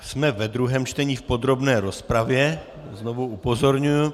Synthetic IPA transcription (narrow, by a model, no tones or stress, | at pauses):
smɛvɛd̪ɾuɦɛːmt͡ʃt̪ɛɲiːfpo̞d̪ɾo̞bnɛːɾo̞spɾavjɛ | znovuʔupozo̞ɾɲuju